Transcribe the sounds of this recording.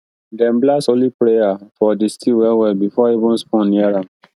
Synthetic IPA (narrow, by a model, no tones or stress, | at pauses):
dɛ̃mblasolipɾejafɔdistʰiwɛwɛbifɔivũnspɔ̃nĩaɾãm